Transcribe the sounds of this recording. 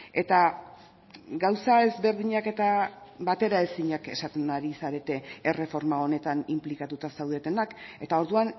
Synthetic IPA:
e̞t̪a | ɡawsae̞zβe̞ɾðiɲake̞t̪abat̪e̞ɾae̞siɲake̞sat̪e̞naɾisaɾe̞t̪e̞ere̞fo̞ɾmao̞ne̞t̪animplikat̪ut̪asawðe̞t̪e̞nake̞t̪ao̞ɾðuan

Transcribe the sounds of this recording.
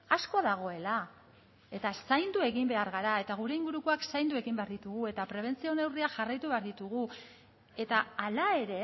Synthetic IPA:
askoaðaɣ̞o̞e̞la | e̞t̪asajnd̪ue̞ɣimbe̞aɾɣaɾae̞t̪aɣ̞uɾe̞iŋɡuɾuko̞aksajnd̪ue̞ɣimbe̞aɾðit̪uɣue̞t̪apɾe̞β̞e̞nt͡sio̞ne̞wriaʝarajt̪uβe̞aɾðit̪uɣ̞u | e̞t̪aːlae̞ɾe̞

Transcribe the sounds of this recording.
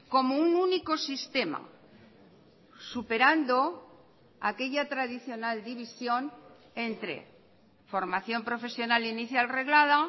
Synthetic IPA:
ko̞moununiko̞sist̪e̞ma̰ | supe̞ɾand̪o̞ | a̰ke̞ʎat̪ɾaðiθjo̞nald̪iβ̞isjo̞n | e̞nt̪ɾe̞̰ | fo̞ɾmaθjo̞mpɾo̞fe̞sjo̞naliniθjalre̞ɣlað̞a

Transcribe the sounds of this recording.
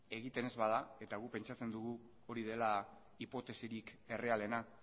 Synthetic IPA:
e̞ɣit̪e̞ne̞zβað̞ae̞t̪aɣ̞upe̞nt͡ʃat͡se̞nd̪uɣu | o̞ɾið̞e̞la | ipo̞t̪e̞siɾike̞re̞ale̞na

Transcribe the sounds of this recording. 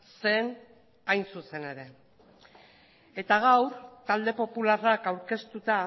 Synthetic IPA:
se̞n | ajnsuse̞ne̞ɾe̞ | e̞t̪aɣ̞awɾt̪ald̪e̞po̞pularakawɾke̞st̪ut̪a

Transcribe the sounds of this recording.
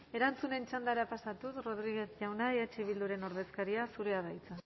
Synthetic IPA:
e̞ɾant͡sune̞nt͡ʃand̪aɾapasat̪usro̞ð̞ɾiɣe̞θʝawnaeat͡ʃiβild̪uɾe̞no̞ɾðe̞skaɾiasuɾe̞aðajt͡sa

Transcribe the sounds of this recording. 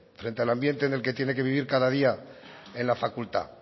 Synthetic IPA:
fɾe̞nt̪ealambje̞nt̪e̞nelke̞t̪je̞ne̞ke̞β̞iβ̞iɾkaðaðia | e̞nlafakult̪a̰

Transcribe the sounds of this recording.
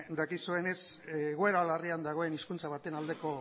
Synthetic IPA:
d̪akisue̞ne̞sɣueɾalariand̪aɣo̞e̞niskunt͡saβ̞at̪e̞nald̪e̞ko̞

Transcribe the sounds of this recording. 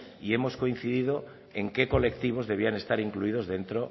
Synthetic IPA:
ie̞mo̞sko̞in̟θiðiðo̞ | e̞ŋke̞ko̞le̞k̚t̪iβ̞o̞zðe̞β̞iane̞st̪aɾiŋkluið̞o̞zðe̞nt̪ɾo̞

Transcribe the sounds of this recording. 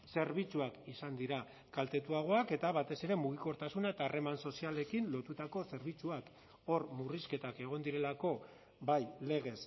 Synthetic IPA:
se̞ɾβ̞it͡suakisand̪iɾa | kalt̪e̞t̪uaɣ̞o̞ake̞t̪aβat̪e̞se̞ɾe̞muɣ̞iko̞ɾt̪asunaet̪aːre̞manso̞siale̞kinlo̞t̪ut̪ako̞se̞ɾβ̞it͡suak | o̞rmuriske̞t̪ake̞ɣ̞o̞nd̪iɾe̞lako̞ | bajle̞ɣ̞e̞s

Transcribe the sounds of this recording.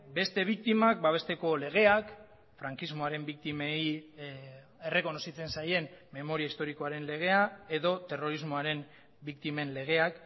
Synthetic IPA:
be̞st̪e̞β̞ik̚t̪imak̚baβ̞e̞st̪e̞ko̞le̞ɣ̞e̞ak | fɾaŋkizmo̞aɾe̞mbik̚t̪imei | ere̞ko̞no̞sit͡se̞nsaje̞nːe̞mo̞ɾiaist̪o̞ɾiko̞aɾe̞nle̞ɣ̞e̞ae̞ðo̞t̪e̞ro̞ɾizmo̞aɾe̞m | bikt̪ime̞nle̞ɣ̞e̞ak

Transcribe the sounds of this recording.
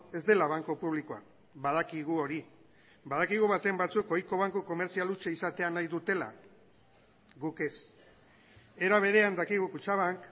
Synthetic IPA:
e̞zd̪e̞laβ̞aŋkopuβ̞likoa̰ | βað̞akiɣ̞uo̞ɾi | bað̞akiɣ̞uβat̪embat͡suko̞jko̞β̞aŋkuko̞me̞ɾt͡sialut͡ʃeisat̪e̞anajðut̪e̞la̰ | ɣuke̞s | e̞ɾaβ̞e̞ɾe̞and̪akiɣ̞ukut͡ʃaβaŋk

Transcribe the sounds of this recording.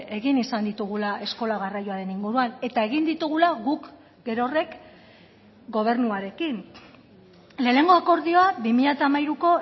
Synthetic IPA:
e̞ɣinisand̪it̪uɣ̞ulaʔe̞sko̞laɣarajoaɾe̞niŋɡuɾuane̞t̪ae̞ɣind̪it̪uɣ̞ulaɣuk | ɡe̞ɾo̞re̞k | ɡo̞β̞e̞ɾnuaɾe̞kin | le̞ːne̞ŋɡo̞ako̞ɾðio̞abimiʎat̪aːmajɾuko̞

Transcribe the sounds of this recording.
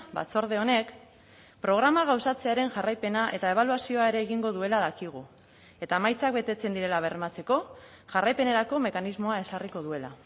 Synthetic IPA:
ba̰t͡so̞ɾðe̞o̞ne̞k | pɾo̞ɣ̞ɾamaɣ̞awsat͡se̞aɾe̞nʝarajpe̞naʔe̞t̪ae̞β̞aluasio̞ae̞ɾe̞ːɣiŋɡo̞ðue̞laðakiɣ̞u | e̞t̪amajt͡sak̚be̞t̪e̞t͡se̞nd̪iɾe̞laβ̞e̞ɾrmat͡se̞ko̞ | ʝarajpe̞ne̞ɾako̞me̞kanizmo̞ae̞sariko̞ðue̞la

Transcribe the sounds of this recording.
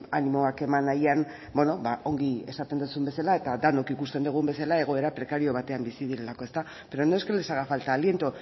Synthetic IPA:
animo̞ake̞manajan | bo̞no̞baʔo̞ŋɡie̞sat̪e̞nd̪usumbe̞salae̞t̪ad̪ano̞kikust̪e̞nd̪uɣ̞umbe̞salae̞ɣ̞o̞e̞ɾapɾe̞kaɾio̞β̞at̪e̞ambisið̞iɾe̞lako̞e̞st̪a | be̞ɾonoeskelesaɣafalt̪aːlje̞nt̪o

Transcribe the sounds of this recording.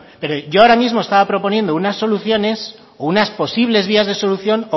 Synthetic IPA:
pe̞ɾo̞ʝoaoɾamizmo̞e̞st̪aβapɾo̞po̞nje̞nd̪ounasːo̞luθjo̞ne̞s | ounaspo̞siβle̞zβ̞iazðe̞so̞luθjo̞no

